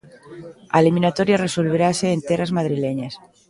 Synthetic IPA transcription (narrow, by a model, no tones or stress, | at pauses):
a̰limĩnat̪oɾjareso̞lβ̞eɾaseːnt̪erazmað̞ɾileɲas